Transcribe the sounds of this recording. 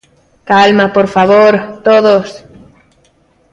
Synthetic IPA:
kalmapoɾfaβoɾt̪oðos

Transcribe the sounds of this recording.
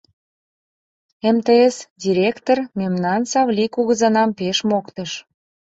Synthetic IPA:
emt̪eesdʲiɾʲekt̪ormemnɑnsɑvlʲikuɣəzɑnɑmpeʃmokt̪əʃ

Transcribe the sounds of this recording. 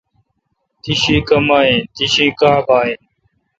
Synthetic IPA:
t̪iʃĩːkəmaːɦẽːt̪iʃĩːkaːbaːɦẽːn

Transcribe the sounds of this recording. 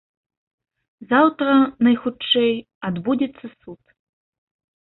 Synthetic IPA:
zawt̪ɾɐnɐjxut͡ʂːɛj | ad̪bud͡zʲɛt̪sːɐsut̪

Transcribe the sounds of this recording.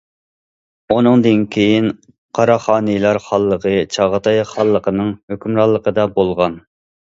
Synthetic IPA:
unɨŋd̪ɨnkʲʰejin | qʰɑɾɑχɑːnɨjlˠɑɾχɑlˠːəqʰət͡ʃʰɑʁət̪ʰɑjχɑlˠːəqənɨŋhøkʲymɾɑlˠːəqəd̪ɑbolˠʁɑn

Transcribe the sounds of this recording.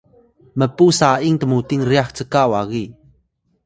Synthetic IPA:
məpusaʔiŋt̪əmut̪iŋɾiaxt͡səkaʔwaɣi

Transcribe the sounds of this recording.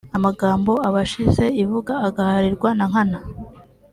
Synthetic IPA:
amaɡaːmbo̞aβaʃize̞ivuɡaːɡahaɾiɾɡwanaŋ̥hana

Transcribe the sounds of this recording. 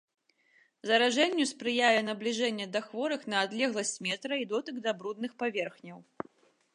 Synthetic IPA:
zɐɾaʐɛnʲːuspɾɨjajʲɛnɐblʲiʐɛnʲːɛd̪ɐxvɔɾɨxnɐːd̪lʲɛɣlˠɐsʲt͡sʲmʲɛt̪ɾɐid̪ɔt̪ɨɡd̪ɐbɾud̪nɨxpavʲɛrxnʲɐw

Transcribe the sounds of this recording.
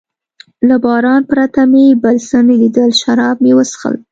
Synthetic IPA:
labɑɾɑnpɾat̪amebəlsənelid̪əlʃaɾɑb̚mewəsxə̰l

